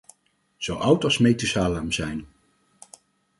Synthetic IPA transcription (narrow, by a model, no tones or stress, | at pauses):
z̥owʔʌwtɑsmejtəsaːlamzɛjn